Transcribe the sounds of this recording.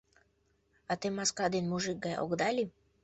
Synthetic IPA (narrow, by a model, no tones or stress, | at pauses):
at̪emaskad̪enmuʒik̚ɡajo̰ɡd̪alʲi